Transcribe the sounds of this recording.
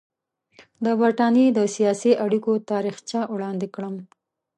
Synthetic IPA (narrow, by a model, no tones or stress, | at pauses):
d̪əbaɾʈɑnjed̪əsijɑsiʔaɽikot̪ɑɾixt͡ʃjɑwɽɑnd̪ɪkɽəm